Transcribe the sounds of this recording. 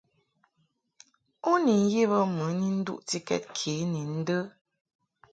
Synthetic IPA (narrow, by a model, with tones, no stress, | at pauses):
u˦ni˨n˦ji˦βə˦mə˨˦ni˦n̩˦dṵ˦ʔti˦kɛ̰˦t̚kʰi˨˦ni˨n̩˦də˦